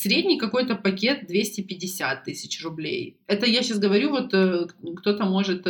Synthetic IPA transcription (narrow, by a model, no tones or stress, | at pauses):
sʲɾʲedʲnʲɪjkɐko̞jt̪əpɐkʲe̞t̪̚d̪vʲesʲtʲɪpʲɪdʲɪsʲat̪ːɨsʲɪt͡ɕrʊblʲḛj | ɛt̪əjaɕasɡəvɐɾʲuvo̞t̪əkt̪o̞t̪əmo̞ʐɨt̪